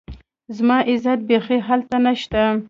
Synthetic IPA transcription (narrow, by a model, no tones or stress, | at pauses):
zmɑʔɪzat̪̚bexeɦalt̪anaʃt̪a